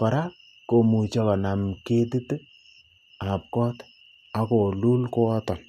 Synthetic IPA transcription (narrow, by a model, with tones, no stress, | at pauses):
pa˨ɾa | ko˨mu˨t͡ʃɔ˦kɔ˨na˨mke˦ti˦tɨ˦ | a˨p̚kɔ˦t | a˨ko˨lu˦lko˦ɔ˦tɔ˨n